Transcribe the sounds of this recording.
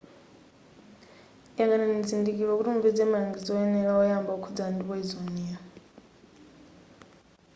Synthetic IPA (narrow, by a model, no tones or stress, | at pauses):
ijakanɛnid͡zindikiɺɔkutimubɛd͡zɛmaaŋɡid͡zɔɛnɛɺaɔjambaukʰud͡zandiɔizonia